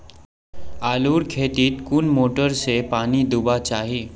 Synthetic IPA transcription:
aluːɽkʰet̪iːt̪kunmoʈəɾsepanid̪ubat͡ɕaɦi

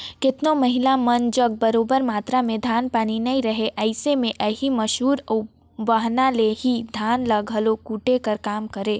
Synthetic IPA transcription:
kɪt̪nomɐɦɪlamɐnd͡ʒɐɡ̚bɐɾoːbəɾmaːt̪ɾamẽd̪ʱaːnpaːninɐɦĩɾɐɦeʔɛɪsemẽʔɐːɦimɐʃɦuːɾʊ | baɦnaleɦid̪ʱaːnlɐɡʱəlokuːʈekɐɾkaːmkɐɾeː

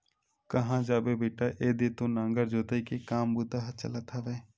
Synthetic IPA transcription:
kɐɦãːd͡ʒaːbebeːʈaʔeːd̪et̪õnãːŋɡəɾd͡ʒoːt̪eikekaːmbud̪aɦt͡ʃə̰lat̪ʰaʋeː

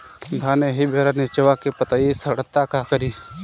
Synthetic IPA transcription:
d̪ʱaːneɦibʱeːɾanet͡ʃɐʋakepət̪aːisəɽət̪ːakaːkəɾiː

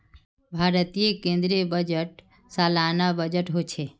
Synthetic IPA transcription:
bʱaːɾət̪ijekẽːnd̪ɾijəbəd͡ʒəʈ | saːlaːnabəd͡ʒəʈɦot͡ʃʰeː

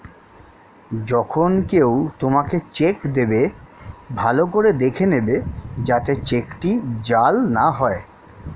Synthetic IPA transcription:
d͡ʑɔkʰonkewt̪omaket͡ɕekd̪ebe | bʱalokoɾed̪ekʰenebed͡ʑat̪et͡ɕekʈid͡ʑalnaɦɔe

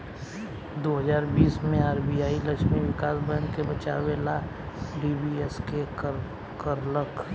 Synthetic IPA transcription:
d̪oːɦəzaːɾbiːsmẽaːɾbiaːiləkʃmiwɪkaːsbənkebət͡ʃa̰wela | ɖibieskek | kəɾləkʰ

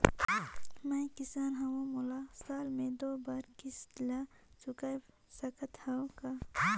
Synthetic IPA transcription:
mɐ̃kisaːnɦɐwõmulasaːlmẽd̪oːbaɾkisla | t͡ʃukaj | sɐkət̪hãka

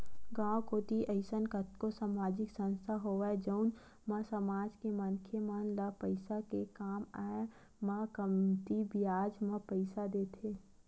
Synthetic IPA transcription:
ɡãːwkoːt̪iʔəɪsənkət̪kosaːmaːd͡ʒɪksə̃nst̪ʰaɦoʋad͡ʒəʊn | mɐsəmaːd͡ʒkemənkʰemənləpəɪsakekaːmaːe | makəmt̪ibijaːd͡ʒmə̃pəɪsad̪eːt̪ʰeː

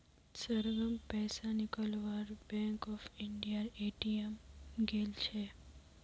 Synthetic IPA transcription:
səɾɡəmpɛːsanɪkəlʋaːɾbɛ̃ːŋkɔːfʰɪɳɖijaneːʈiemɡeːlt͡ʃʰe

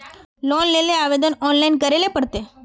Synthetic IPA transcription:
lonleleaʋed̪ənɔnlainkəɾelepəɽt̪e

